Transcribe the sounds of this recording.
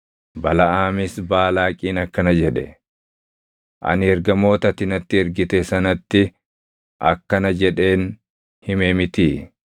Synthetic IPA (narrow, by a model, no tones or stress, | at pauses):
bɐlɐʔaːmɪsbaːlaːkʼiːnɐkːɐnɐd͡ʒɛᶑɛ̰ | ʔɐ̰nɪɛɾɡɐmo̞ːt̪ɐt̪ɪnɐt̪ːɪɛɾɡɪt̪ɛsɐnɐt̪ːɪ | ʔɐ̰kːɐnɐd͡ʒɛᶑe̞ːn | hɪmɛmɪt̪iː